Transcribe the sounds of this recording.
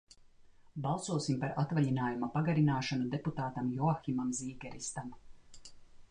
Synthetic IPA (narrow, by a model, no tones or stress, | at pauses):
bɑlˠsuɔsimpaɾat̪vaʎinaːjumapaɡaɾinaːʃanud̪eput̪aːt̪amjɔaximamziːɡɛɾist̪am